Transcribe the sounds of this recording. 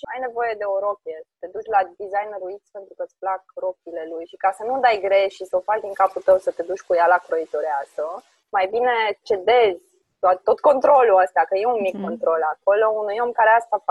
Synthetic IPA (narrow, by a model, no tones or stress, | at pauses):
ʃiajne̞vo̞je̞d̪e̞o̞ɾo̞kʲiesət̪e̞d̪ut͡ʃʲlad̪izajnɾuit̪sʲpe̞nt̪ɾukət̪sʲplakɾo̞kʲiːle̞lujʃikasənud̪ajɡɾe̞ʃisəofat͡ʃd̪iŋkaput̪əwsət̪e̞d̪ut͡ʃʲkujalakɾoit̪o̞ɾeasə | majbine̞t͡ʃe̞d̪e̞zʲ | d̪oat̪t̪o̞t̪ko̞nt̪ɾo̞luast̪akəje̞unmikːo̞nt̪ɾo̞lako̞lo̞unujo̞mkaɾeast̪af